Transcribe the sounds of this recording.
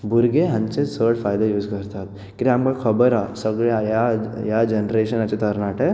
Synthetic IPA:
buɾɡeɦɐɲt͡ʃesəːɽpʰaːjd̪ajuːd͡ʒkɐɾt̪aːt̪ | kiɾamɡɐkʰɐbɐɾaːsɐɡɭeajaːjaːd͡ʒɐnɾeːʃɐnɐt͡ʃːit̪ɐɾnaːʈe

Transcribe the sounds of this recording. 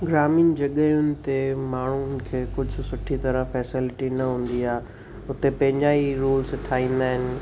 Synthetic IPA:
ɡɾaːmĩːnd͡ʑɐɠəʊnɪ̆t̪emaːɳ̤ʊnɪ̆kʰeːkʊd͡ʑʱʊ̆sʊʈʰit̪ɐɾə̃fɛːsɪlɪʈinɐɦũːn̆d̪iaːe | ʊt̪epɐ̃ɦɪ̃ɲd͡ʑaːiɾuːlsʈʰaːĩːn̆d̪aːɦɪnɪ̆

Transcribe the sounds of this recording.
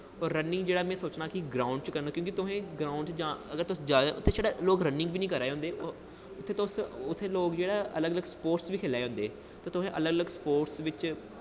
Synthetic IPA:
ɔːɾːənːɪ̃ŋɡd͡ʒeːɽaːmɛ̃ːsoːt͡ʃnãːkɪɡɾaːʊ̃ɳɖt͡ʃkəɾnaːkjõːkit̪ʊɦẽːɡɾaːʊ̃ɳɖsd͡ʒãːəɡəɾt̪ʊsd͡ʒaːd̪aʔʊt̪ʰːeːʃaːɽaːloːkɾənɪ̃ŋɡʋiːnĩːkəɾaːeɦʊ̃nd̪eː | ʊt̪ʰːeːt̪osʊt̪ʰːeːloːkd͡ʒeːɽaːʔələɡələɡspoːɾʈsʋiːkʰeːlaːeːɦʊ̃nd̪eː | t̪aːt̪ʊɦẽːʔələɡələɡspoːʈsʋɪt͡ʃ

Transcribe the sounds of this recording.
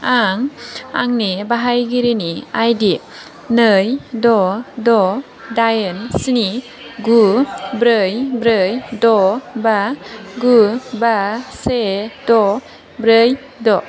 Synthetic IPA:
aŋa̰ŋnibaɦajɡiɾiniajdi | nɯjdɔdɔ | dajənsini | ɡubɾəjbɾɯjdɔbaɡubasedɔ | bɾəj | dɔ

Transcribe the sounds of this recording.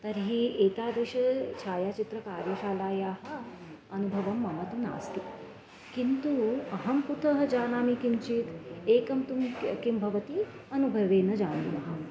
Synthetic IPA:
t̪ɐɾɦiːeːk̪aːd̪ɾiʃɐt͡ʃʰaːjat͡ʃit̪ɾɐkaːɾjɐʃaːlaːjaːɦɐ̆ | ɐnubʱɐʋɐmːɐmɐt̪una̰ːst̪i | kint̪uɐɦɐmput̪ɐɦɐ̆d͡ʒaːnaːmikint͡ʃiːt̪eːkɐmt̪umkimbʱɐʋɐt̪i | ɐnubʱɐʋeːnɐd͡ʑaːnṵːnɐɦɐ

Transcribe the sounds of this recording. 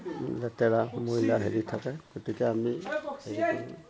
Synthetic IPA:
lɛtɛɹamojlaɦeɹitʰakaɡotikɛamihei

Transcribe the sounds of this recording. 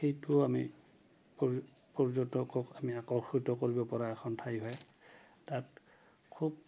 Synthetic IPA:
xejtʊami | pɔ | pɔɹzɔtɔkɔkamiakɔxitɔkoɹibɔpɔɹaɛxʰɔntʰajɦɔj | tat | kʰub̚

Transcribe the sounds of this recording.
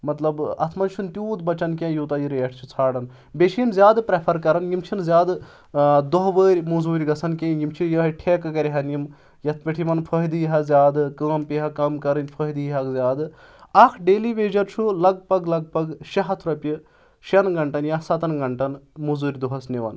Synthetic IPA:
mɐt̪lɐbɐ̰t̪ʰmɐnt͡ʃʰunt̪ʲuːd̪bɐt͡ʃɐnk̬ʲẽːjuːt̪ɐjiɾeːʈʰt͡ʃʰut͡sʰaːɽɐn | beʃʰijinzʲjaːd̪pɾepʰɐɾkɐɾɐnjimt͡ʃʰinzʲaːd̪ | d̪oɦʋəːɾʲmuzuːɾʲɡɐsʰɐnkʲẽjimt͡ʃʰijɐːɦɐʈʰeːkkɐɾʲɦɐnjim | jɐt̪ʰpʲiʈʰiʋɐnpʰəɦd̪ijɦɐzʲjaːd̪kɐːmpiɦɐkɐmkɐɾɐnʲpʰəɦd̪ɨjɦɐkzʲaːd̪ | ɐkʰɖeːliʋeːd͡ʒɐɾt͡ʃʰulɐɡ̚pɐɡlɐɡ̚pɐɡʃɐɦɐt̪ʰɾɐpʲi | ʃɐnɡɐɳʈɐnjɐsɐt̪ɐnɡɐɳʈɐnmuzuːɾʲd̪uɦɐsniʋɐ̰n

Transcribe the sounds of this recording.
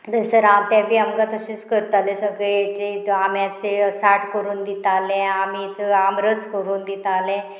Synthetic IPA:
d̪əsəɾamt̪jabʱiːamkat̪əɕiːt͡skəɾət̪alẽsəɡɭet͡ɕeamjat͡sesaʈkəɾuːnd̪it̪alẽamit͡səamɾəskəɾuːnd̪it̪alẽ

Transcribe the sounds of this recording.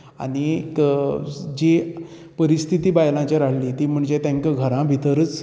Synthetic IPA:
a̰ɽ̃ik | d͡ʑi | pəɾist̪ʰit̪iːbajlãt͡ɕaɾaɽ̤liːt̪iːm̤əɳd͡ʑet̪ãŋkəɡʱəɾãbʱit̪əɾət͡s

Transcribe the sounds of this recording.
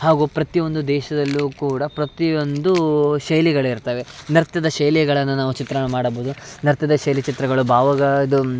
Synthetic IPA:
haːɡuːpɾɐt̪io̞nd̪ud̪ɛːʃɐd̪ɐlːuːkuːɽɐpɾɐt̪io̞nd̪uʃɐjliɡɐɭiɾt̪ɐːʋe̞nɐɾt̪ɐd̪ɐʃɐjlijɐɡɐɭɐnːunaːʋut͡ʃit̪ɾɐɐmaːɽɐboːd̪unɐɾt̪ɐd̪ɐʃɐjlit͡ʃit̪ɾɐɡɐɭubʱaːʋɐɡɐid̪u

